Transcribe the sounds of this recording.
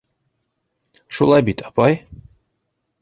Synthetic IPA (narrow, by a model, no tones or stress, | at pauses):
ʃulˠɑjbit̪ʰɑpaj